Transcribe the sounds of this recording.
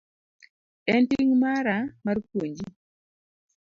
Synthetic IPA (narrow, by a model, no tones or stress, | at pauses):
ɛntiŋmaɾamarkwoɲd͡ʒi